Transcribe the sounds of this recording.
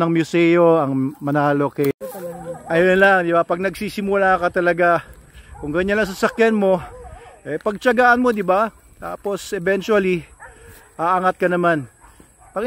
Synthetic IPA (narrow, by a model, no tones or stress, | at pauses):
nɐŋmjʊsɛjoɐŋmɐnaːlokɛ | ʔɐjonlaŋd̪ɪbapɐɡ̚nɐɡ̚siːsɪmʊlaːkɐt̪ɐlɐɡakʊŋɡɐɲanlɐŋs̬ɐsakjanmo̞ʔɛpɐɡ̚t͡ʃɐɡaːʔɐnmo̞d̪ɪba | t̪a̰ːpo̞sʔɛbɛnt͡ʃuɐli | ʔaʔaŋat̪̚kɐnɐman | pɐɡ